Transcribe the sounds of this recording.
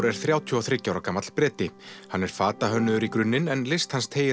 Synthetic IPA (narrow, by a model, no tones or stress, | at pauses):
ɾɛɾ̥θɾjaːwt̪ʰyɔθɾɪcːawɾakamat̪l̥pɾɛːt̪ɪhanːɛɾ̥faːt̪aɦœnːʏðʏɾikɾʏnːɪnɛnlejst̪hanst̪ʰeːjɪ